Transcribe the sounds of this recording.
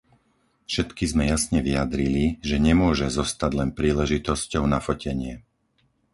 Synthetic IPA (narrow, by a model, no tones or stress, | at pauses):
fʃɛt̪kizmɛjasɲɛʋijad̪ɾiliʒɛɲɛmʊɔʒɛzɔst̪aɟlɛnpɾiːlɛʒit̪ɔscɔʊnafɔcɛɲɪɛ